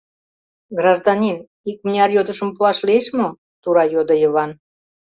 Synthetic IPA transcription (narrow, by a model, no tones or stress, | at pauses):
ɡrɑʒd̪ɑnʲin | ik̚mnʲɑrjod̪əʃəmpuɑʃlieʃmo | t̪uɾɑjod̪ə̆jəβɑn